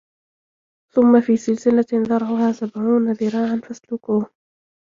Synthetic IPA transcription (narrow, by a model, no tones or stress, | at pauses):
θʊmːafiːsɪlsɪlaðɑɾˤʕʊhaːsabʕuːnaðɪɾɑːʕanfaslʊkuːh